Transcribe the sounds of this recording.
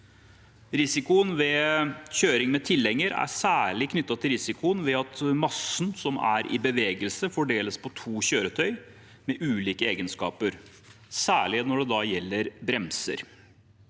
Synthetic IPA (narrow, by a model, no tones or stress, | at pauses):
ɾɪsɪkʊənʋɛçøːɾɪŋmɛt̪ʰɪlːɛŋːəɾæ̰sæːɭɪkʰnʏt̪ːɑt̪ʰɪlɾɪsɪkʊənʋɛɑt̪mɑsnsɔmæ̰ɾʔɪ̰bəʋeːɡəlsəfɔɖeːləspʰɔt̪ʰuːɕøːɾət̪ʰœʏ | mɛʔʉːliːkəeːɡənskɑ̰ːpəɾ | sæːɭɪnɔɖɛd̪ɑjɛlːəɾbɾɛmsə̰ɾ